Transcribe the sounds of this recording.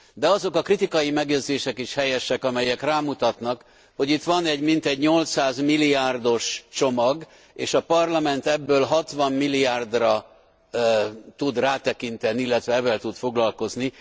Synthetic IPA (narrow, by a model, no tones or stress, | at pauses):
d̪ɛɒzo̞kɒkrit̪ikɒjimɛɡjɛd̪zeːʃɛkiʃhɛjɛʃɛkɒmɛjɛkraːmut̪ɒt̪nɒk | ho̞ɟit̪ʋɒnɛɟmint̪ɛɟɲo̞lt̪saːzmilːiaːrd̪o̞ʃt͡ʃo̞mɒɡ | eːʃɒpɒrlɒmɛnt̪ɛbːøːlɦɒt̪ʋɒmːilːiaːrd̪rɒ | t̪ud̪raːt̪ɛkint̪ɛniilːɛt̪ʋɛɛvːɛlt̪ut̪fo̞ɡlɒlko̞zni